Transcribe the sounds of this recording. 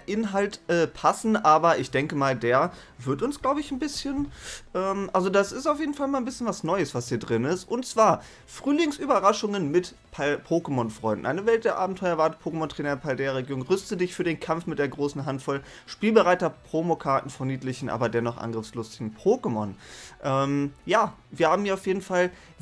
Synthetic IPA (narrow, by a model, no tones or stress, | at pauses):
ʔɪnɦaltʔɛːpʰasn̩ʔaːbɐʔɪçd̥ɛŋkəmaːldeːɐ | vɪɐtʊnsɡ̥laʊbəɪçn̩bɪsçənʔɛːmʔalzodasɪstaʊfjeːdn̩falmaːlnbɪsçənvasnɔʏəsv̥ashiːɐdʁɪnɪstʔʊntt͡sv̥aːɐ | fʁ̥yːlɪŋsʔyːbɐʁaʃʊŋənmɪt | pʰapʰoːkəmɔnfʁ̥ɔʏndn̩ʔaɪnəvɛlt̚d̥eːɐʔaːbm̩tʰɔʏɐvaːdəpʰoːkəmɔntʁ̥eːnɛpʰaldɛːɐʁeɡjoːnʁʏstədɪçfyːɐdeːnkʰamfmɪtd̥eːɐɡʁoːsn̩ɦantfɔl | ʃpiːlbəʁaɪtɐpʁ̥omokʰaɐtn̩fɔniːtlɪçn̩ʔa̰ːbɐdɛɐnɔχʔa̰nɡʁɪfslʊstɪɡŋ̩pʰoːkəmɔnʔɛːmjaː | viːɐhaːbm̩iːɐaʊfjeːdn̩fal